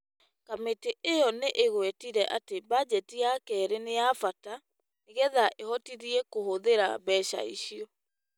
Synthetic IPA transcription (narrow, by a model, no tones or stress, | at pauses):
kameteʔejɔneʔeɣwɛtiɾɛʔatebad͡ʑɛtijakɛɾenejafata | eɣɛðaʔehɔtiðiekohoðeɾa̰bɛʃa̰iɕiɔ